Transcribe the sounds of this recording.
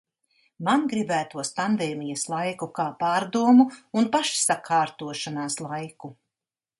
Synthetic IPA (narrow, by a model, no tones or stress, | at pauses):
manɡɾibæːt̪uɔsp̪and̪eːmijɐslˠajkukaːpaːɾd̪uɔmuːnpaʃsakʰaːɾt̪uɔʃanaːslˠajku